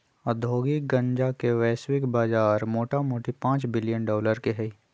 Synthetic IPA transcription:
ɐd̪ʱoːɡiɡɐ̃ɲd͡ʒakeʋɛːswɪkbaːd͡ʒaːɾmoːʈamoːʈipãːt͡ʃbɪlɪjənɖɔːləɾkeɦɛi

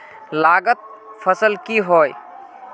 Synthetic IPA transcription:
laɡət̪̚pʰəsəlkiɦoj

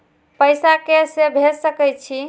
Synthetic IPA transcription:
pəjsakesebʱesəkɛjt͡ʃʰi

